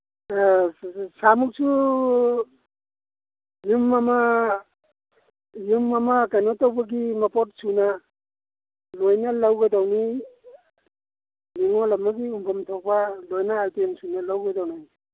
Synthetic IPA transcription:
samuk̚sʰu | jumːama | jumːamakajnɔtawbaɡimapɔt̚suna | lojnalawɡadawni | niŋɔlamːaɡiumpʰamtʰɔk̚palojnaːltensunalawɡadawnaj

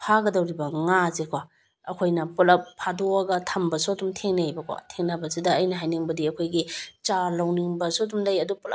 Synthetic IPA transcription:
pʰaɡɐdɐwɾibɐŋazekʰwa | ɐkʰojnɐpɐlɐp̚pʰadoɐɡɐtʰɐmbɐsodumtʰeŋnejbɐkʰwa̰tʰeŋnabɐsidɐːjnɐɦajniŋbɐdiɐkʰojɡit͡ʃalawniŋbɐsodumlɐjɐduplɐ̰

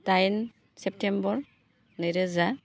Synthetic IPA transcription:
tajn | sɛp̚tembɔɾ | nɯjɾɯza

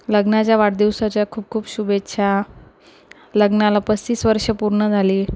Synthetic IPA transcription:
ləɡnat͡ɕjaʋaɽd̪iʋsat͡ɕjakʰuːp̚kʰuːpɕubetːɕʰa | ləɡnalapəst͡ɕiːsʋəɾʂəpuɾɳəd͡zʱaliː

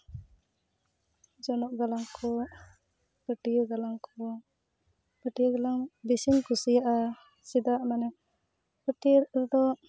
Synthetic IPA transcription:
d͡ʒɔnɔʔɡalaŋkʰɔ | kəʈiɡalaŋkʰɔ | pəʈiɡalaŋbisiŋkusijaʔa | sid̪aʔmanɛ | kəʈiɾd̪ɔ

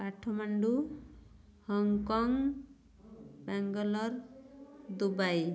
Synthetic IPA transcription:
paʈʰːɔmaɳɖu | hɔŋkɔŋ | bɛŋɡɔlɔɾ | d̪ubaj

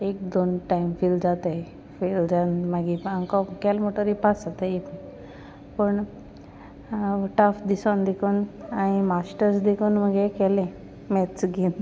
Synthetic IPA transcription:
ek̚d̪onʈaimfild͡zat̪a | fild͡zanmaɡiaŋkɔkɛlmoʈəɾipat͡sat̪aip | pəɳ | ʈəfd̪isond̪ekʰonaɽ̃imasʈəɾsd̪ekunməɡekɛlẽ | mɛtt͡sɡin

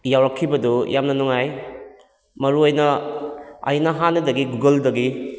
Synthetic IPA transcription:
jawɾɐkʰːibɐdujamnɐnuŋaj | mɐɾuojnɐ | ɐ̰jnɐɦanːɐdɐɡiɡuɡɐldɐɡi

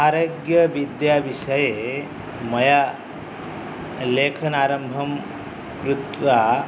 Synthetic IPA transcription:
aɾoɡjəʋid̪jaʋiʂəje | mɐja | lekʰɐnaːɾɐmbʱɐm | kɾut̪ʋa

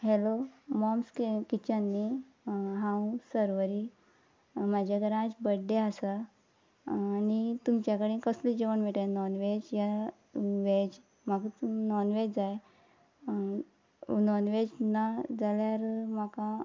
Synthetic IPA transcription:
ɦelomɔmskkit͡ɕanːi | ɦãwũsəɾʋəɾi | mad͡ʑʱaɡɾãd͡ʑbəɖeasa | nit̪umt͡ɕjakəɽiːkəslid͡ʑeʋəɳmeʈanɔnʋed͡ʑja | ʋed͡ʑ | maɡnɔnʋed͡zaj | nɔnʋed͡ʑnad͡zaljaɾmakã

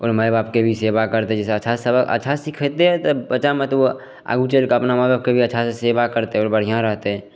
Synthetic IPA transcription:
ɔ̰ːɾməjbaːb̚kebʱiseːbakəɾt̪eɛd͡ʒɛːseət͡ʃʰasəbəə̰tːʃʰasikʰət̪eɦɛ̃t̪əbət͡ʃamẽt̪ʋo | a̰ːɡut͡ʃeːlkaɐpnamabaːbkebʱiətːʃʰaseseːbakəɾt̪eɦɛɔːɾbəɽ̤ijãɾəɦt̪eɦɛ̃ː

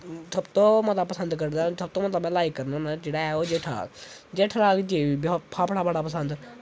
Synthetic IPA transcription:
səbt̪õːmət̪apəsənd̪kəɾd̪ãsəb̚t̪õːmət̪əbɛ̃ːlaːikːəɾnaːnãːd͡ʒeːɽaːɛoːd͡ʒeːʈʰa̰ːd͡ʒeːʈʰːɾaːɡid͡ʒeːib̪pʰaːpəɽaːbəɽaːpəsənd̪

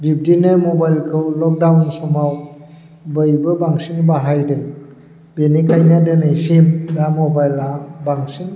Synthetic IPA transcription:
bip̚dinɯmobajlkʰɯwlɔk̚dawnsɔmaw | bɯjbɯbaŋsiŋbaɦajdɯ | benikʰajniadɯnɯjfimdamɔbajlabaŋsiŋ

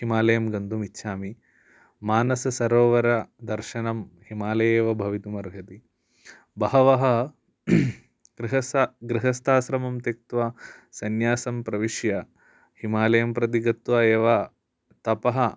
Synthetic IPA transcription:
ɦimaːlɐjɐmɡɐnd̪umitːʃʰaːmi | maːnɐsɐsɐɾoːʋɐɾɐd̪ɐɾʃɐnɐmhimaːlɐjeːʋɐbʱɐʋit̪umɐɾɡʱɐt̪i | bɐɦɐʋɐɦɐ | ɡɾiɦɐsɡɾiɦɐst̪ʰaːsɾɐmɐmt̪ek̚t̪ʋasɐnjaːsɐmpɾɐʋiʃjɐ | himaːlɐjɐmpɾɐt̪̬iɡɐt̪ʋaːeːʋɐ | t̪ɐpɐɦɐ

